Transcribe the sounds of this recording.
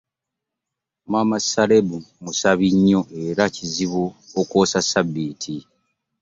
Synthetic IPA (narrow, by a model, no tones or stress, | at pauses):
mwamasalebumusaβiɲːo̞ʔe̞ɾaciziβuokoːsasabːiːtʰi